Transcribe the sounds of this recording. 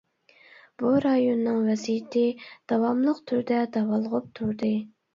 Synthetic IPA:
b̥uɾɑjonːɨŋvɛsijɪt̪ʰɪd̪̥ɑwɑmlˠəqt̪ʰyɾd̪ɛd̪ɑwɑlˠʁʊp̚t̪ʰuɾd̪ɨ

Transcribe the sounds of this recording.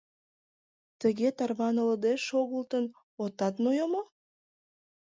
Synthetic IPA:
t̪əɣet̪ɑrβɑnələd̪eʃoɣəlt̪ən | ot̪ɑt̪nojomo

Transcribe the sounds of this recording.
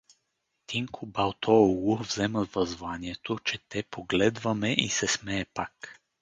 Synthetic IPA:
t̪iŋkʰubawt̪ʰɔɡuvzɛmɐvɐzvanjɛt̪ot͡ʃɛt̪ɛpɔɡlɛd̪vamɛʔḭsɛsmɛjɛpak

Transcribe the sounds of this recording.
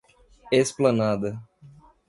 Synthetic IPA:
esplɐnad̪ɐ

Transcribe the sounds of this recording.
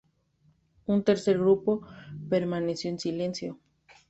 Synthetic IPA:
unt̪eɾseɾɣɾupopeɾmanesjo̞ensile̞nsjo

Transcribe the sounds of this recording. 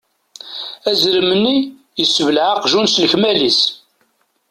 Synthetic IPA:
æzɾəmənːi | jəsːəvəlʕaqʒunsləçmælis

